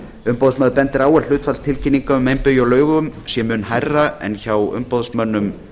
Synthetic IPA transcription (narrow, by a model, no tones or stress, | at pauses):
ʏmpowðsmœːðɾpɛnt̪ɪɾaːwɛl̥ʏːt̪falt̪ʰɪlcʰinːiŋkaʏmejmpʏjawlœːɥɣʏmsjɛmʏnɦajrːaɛ̰nçawʏ̰mpoðsmœnːʏm